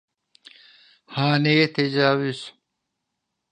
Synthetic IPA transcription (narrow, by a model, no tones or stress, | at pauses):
haːneːt̪ed͡ʑaːwis